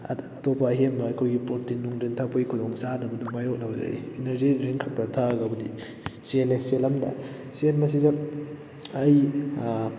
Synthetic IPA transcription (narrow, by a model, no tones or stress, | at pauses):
ɐtʰɔpːɐɦenbɐːjkʰojɡipoɾtinuŋdintʰapojkʰudoŋsadɐbɐdumajok̚lawzɐ̰ḭinɐɾziɾeŋkʰak̚tɐtʰaɡɐbudḭ | seleselɐmdɐ̰ | selmɐs̬idɐː | j